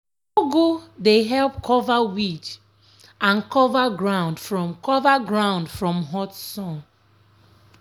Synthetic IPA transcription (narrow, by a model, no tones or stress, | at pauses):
oɡudeɦɛlp̚kʰɔvawit͡ʃ | ãnkɔvaɡɹãʊ̃nd̥fɹɔ̃mkʰɔvaɡɹãʊ̃ndfɹɔ̃mɦɔtsɔ̃n